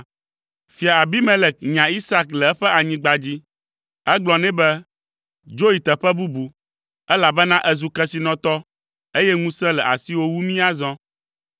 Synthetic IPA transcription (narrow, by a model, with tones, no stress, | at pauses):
fi˨a˨a˨bi˦mɛ̃˦lɛ˨k̚ɲã˨i˦sa˦klɛ˨ɛ˦ɸɛ˦a˨ɲĩ˦ɡ͡ba˨d͡ʑi˦ | ɛ˦ɡ͡blɔ˨nɛ̃˦bɛ˦ | d͡ʒo˦ji˨t̪ɛ˨ɸɛ˦bu˦bu˨ | ɛ˦la˨bɛ˦nã˦ʔɛ˦zu˨kɛ˦si˨nɔ̃˨t̪ɔ˦ | e˦jɛ˦ŋũ˦sɛ̃˦lɛ˨ʔa˨si˦wo˦wu˦mĩ˦a˦zɔ̃˦